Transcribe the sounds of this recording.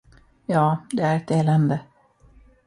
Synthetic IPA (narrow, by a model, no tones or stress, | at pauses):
jɑːd̪ɛæɾɛt̪eːlɛnd̪ə